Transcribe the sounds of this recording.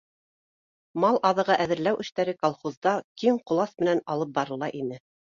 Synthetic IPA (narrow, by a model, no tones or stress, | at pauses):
mɑlˠʔɑðɤ̆ʁɑʔæðɘ̆ɾlæwʔɘ̆ʃt̪æɾɘkɑlˠχuzd̪ɑkiŋqŏlˠɑsmɘ̆nænɑlˠɤp̚bɑɾɤ̆lˠːɑʔinɘ